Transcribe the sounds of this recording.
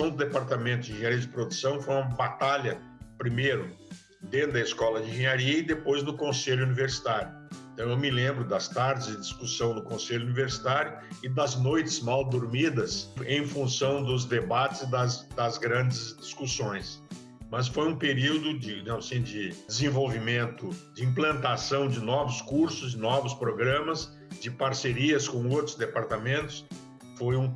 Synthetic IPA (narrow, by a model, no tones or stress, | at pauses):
sɐ̃w̃d̪ʊd̪epaɾt̪amẽnt̪ʊĩʒẽɲaɾiɐd͡ʒɪpɾod̪usɐ̃w̃fojumɐbat̪aʎɐ | pɾimejɾʊ | d̪ẽnʊd̪ɐiskɔlɐd͡ʒɪĩʒẽɲaɾiɐɪd̪epojznʊkõseʎʊuniveɾsi̥t̪aɾjʊ | ẽt̪ɐ̃w̃ewmɪlẽmbɾʊd̪ɐst̪aɾd͡ʒɪzd͡ʒɪd͡ʒiskusɐ̃w̃nʊkõseʎuniveɾsi̥t̪aɾjʊɪd̪ɐznojt͡ʃɪzmawd̪oɾmid̪ɐsẽj̃fũsɐ̃w̃d̪ʊzd̪ebat͡ʃɪzd̪ɐzd̪ɐzɡɾɐ̃d͡ʒɪzd͡ʒiskusõj̃s | mɐs̬fojũpeɾiwd̪ʊd͡ʒɪɐ̃mɐsĩd͡ʒɪdɪzẽvowvimẽnt̪ʊd͡ʒɪĩplɐ̃nt̪asɐ̃w̃d͡ʒɪnɔvʊskuɾsʊzɪnɔvʊspɾoɡɾɐ̃mɐs | d͡ʒɪpaɾseɾiɐskõowt̪ɾʊzd̪epaɾt̪amẽnt̪ʊ̥s | fojũ